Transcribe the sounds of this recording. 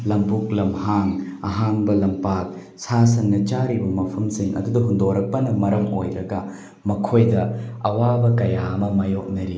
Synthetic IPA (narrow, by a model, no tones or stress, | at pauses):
lɐmpuk̚lɐmhaŋɐ̰ɦaŋbɐlɐmpat̚ | sas̬ɐnːɐt͡ʃaɾibɐmɐpʰɐmsiŋɐ̰dudɐɦundoɾɐk̚pɐnɐmɐɾɐmo̰jɾɐɡɐ | mɐkʰojdɐɐwabɐkɐjamɐmɐjok̚nɐɾi